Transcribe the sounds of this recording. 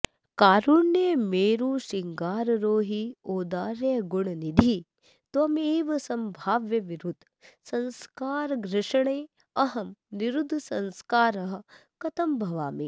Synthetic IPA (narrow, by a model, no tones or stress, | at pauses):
kaːɾuɳːemeːɾuːʃiŋɡaːɾɾoːɦioːd̪aːɾjɐɡuɳɐnid̪ʱi | t̪ɐmeːʋɐsɐmbʱaːʋjɐʋiɾud̪ʱ | sɐnskaːɾɡɾɪʃɐɳeː | ɐɦɐmniɾud̪ʱsɐnskaːɾɐɦɐkɐt̪ɐmbʱɐʋa̰ːmḭ